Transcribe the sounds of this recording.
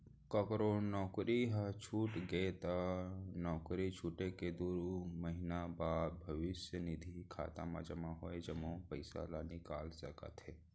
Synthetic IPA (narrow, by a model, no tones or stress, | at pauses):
kəkɾonɔːkɾiɦət͡ʃʰuːʈɡeet̪anɔːkɾit͡ʃʰuːʈeked̪uːɾməɦinabaːd̪̚bʱəʋɪsjənid̪ʱikʰa̰ːt̪ã̰ma̰d͡ʒəmãɦoːed͡ʒəmõpəɪsa̰lanikaːlsəkə̰t̪ɦe